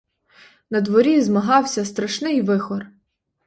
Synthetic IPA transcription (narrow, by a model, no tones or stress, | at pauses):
nɐd̪ʋɔɾʲizmɐɦɑwsʲɐst̪ɾɐʃnɪjʋɪxɔr